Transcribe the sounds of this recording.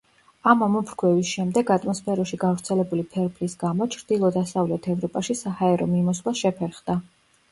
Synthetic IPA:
amamɔpʰɾkʰwɛvisʃɛmd̪ɛɡat̪ʼmɔspʰɛɾɔʃiɡavɾt̪sʰɛlɛbulipʰɛɾpʰlisɡamɔt͡ʃʰɾd̪ilˠɔd̪asavlɛt̪ʰɛvɾɔpʼaʃisahaɛɾɔmimɔslˠaʃɛpʰɛɾχd̪̥a

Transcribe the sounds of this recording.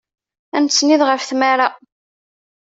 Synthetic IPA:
ænt͡sːniðʁəfθmaɾa

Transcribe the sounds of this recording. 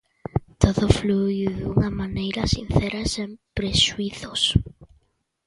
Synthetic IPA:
t̪oðofluðuŋamanejɾasin̟θeɾasempɾeʃuiθos

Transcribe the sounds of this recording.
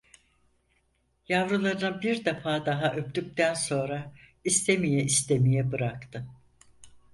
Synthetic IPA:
javɾɯlˠaɾɯnabiɾd̪afaːd̪aɦaʔøp̚t̪yk̚t̪ʰænso̞nɾa | ist̪ʰe̞mijɛist̪ʰe̞mijɛbɯɾakt̪ʰɯ

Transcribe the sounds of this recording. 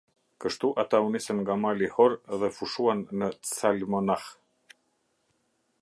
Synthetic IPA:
kəʃt̪uʔat̪aunisɛnŋɡamalihɔɾðɛfuʃuanːət͡salmɔnah

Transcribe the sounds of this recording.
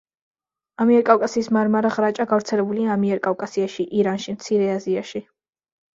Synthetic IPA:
amiɛɾkʼavkʼasiːsmaɾmaɾaʁɾat͡ʃʼaɡavɾt̪sʰɛlɛbuliaamiɛɾkʼavkʼasiaʃiʔiɾanʃimt̪sʰiɾɛaziaʃi

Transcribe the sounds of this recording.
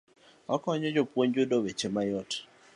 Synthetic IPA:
ɔkɔɲɔd͡ʒopwoɲd͡ʒodowet͡ʃemajɔt

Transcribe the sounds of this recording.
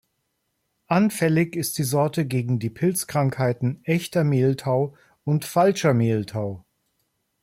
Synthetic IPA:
ʔanfɛlɪçɪst̚d̥iːzɔɐtəɡeːɡŋ̩diːpʰɪlt͡skʁ̥aŋkhaɪtn̩ʔɛçtɐmeːltʰaʊ | ʊntfalʃɐmeːltʰaʊ

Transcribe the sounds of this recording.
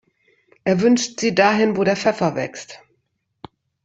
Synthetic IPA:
ʔeːɐvʏnʃtz̥iːdaːɦɪnvoːɾeːɐfɛfɐvɛ̰kst

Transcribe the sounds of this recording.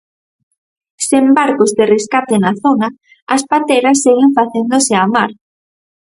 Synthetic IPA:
sembaɾkozðereskat̪enaθonɐː | spat̪eɾɐsːeɣɪɱfaθend̪osɪamaɾ

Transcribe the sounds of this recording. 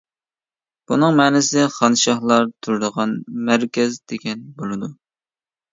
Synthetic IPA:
b̥unɨŋmɛːnɪsɪd̪ɛχɑnʃɑχlˠɑɾt̪ʰuɾɨd̪əʁɑnmæɾkʲɛzd̪̥eɡʲɛnbolˠɨd̪u

